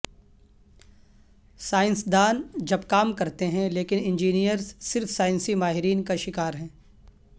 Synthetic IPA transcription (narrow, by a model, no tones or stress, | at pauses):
saːɪ̃nsd̪aːnd͡ʒɐbkaːmkɐɾt̪eɦɛ̃leːkɪnɪ̃nd͡ʒiːnijəɾzsɪɾfsaːɪ̃nsimaːɦɪɾiːnkaʃɪkaːɾɦɛ̃ː